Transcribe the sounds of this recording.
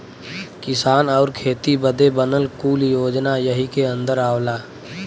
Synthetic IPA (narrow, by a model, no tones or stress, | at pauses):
kɪsaːnɔːɾkʰeːt̪ibəd̪ebənəlkuːljoːd͡ʒnajəɦikeə̃nd̪əɾaːʋlaː